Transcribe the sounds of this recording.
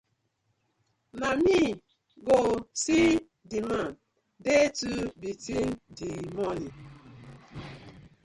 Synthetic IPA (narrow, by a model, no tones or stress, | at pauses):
nami | ɡosi | diman | detubitindimɔni